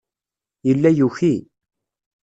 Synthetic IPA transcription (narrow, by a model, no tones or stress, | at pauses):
jəlːæjuçi